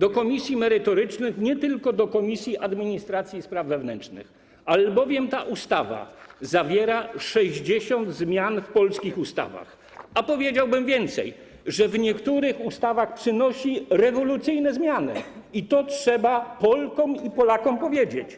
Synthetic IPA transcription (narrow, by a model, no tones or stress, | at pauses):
d̪ɔkɔmʲisʲjimɛɾɘt̪ɔɾɘt͡ʂnɘxɲɛt̪ɘlkɔd̪ɔkɔmʲisʲjiʔad̪mʲiɲist̪ɾat̪sʲjispɾavːɛvnɛnt͡ʂnɘ̰x | albɔvʲjɛmt̪aʔust̪ava̰zavʲjɛɾaʂɛʑd͡ʑeɕɔnd̪zmʲjanfpɔlskʲixust̪a̰va̰x | apɔvʲjed͡ʑawbɘmvʲjɛnt̪sɛ̰j | ʐɛvɲɛkt̪uɾɘxust̪avaxpʂɘnɔɕiɾɛvɔlut̪sɘjnɛzmʲjanɘ̰it̪ɔtʂɛbapɔlkɔmipɔlakɔmpɔvʲjed͡ʑet͡ɕ